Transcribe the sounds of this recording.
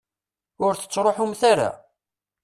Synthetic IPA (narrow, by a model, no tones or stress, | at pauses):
ʊɾθə̥t͡sːɾˤoħʊmθaɾa̰